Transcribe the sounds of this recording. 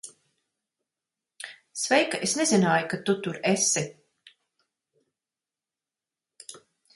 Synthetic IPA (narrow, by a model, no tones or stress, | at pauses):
svɛjkaʔesnezinaːjukat̪ut̪uɾesi